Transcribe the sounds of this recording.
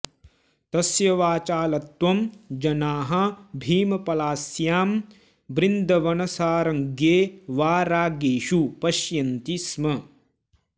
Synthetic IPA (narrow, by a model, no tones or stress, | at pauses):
t̪ɐsjɐʋaːt͡ʃaːlɐt̪ʋɐmd͡ʒɐnaːɦɐbʱiːmɐpɐlaːsjaːm | bɾind̪ʱɐʋɐnɐsaːɾɐŋɡeːʋaːɾaːɡeːʃupɐʃjɐnt̪ismɐ